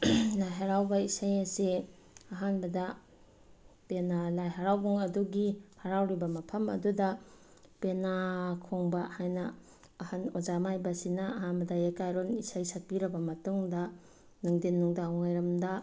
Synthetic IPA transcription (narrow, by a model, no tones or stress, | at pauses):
lajɦaɾawbɐisajɐsi | ɐɦanbɐdɐ | penalajɦaɾawbuŋɐduɡihaɾawɾibɐmɐpʰɐmɐ̰dudɐ | penakʰoŋbɐhajnɐː | hanod͡ʒamajbɐsinɐɐɦanbɐdɐekajɾonisajsak̚piɾɐbɐmɐtuŋdɐ | nɯŋdenːuŋdawŋajɾɐmdɐ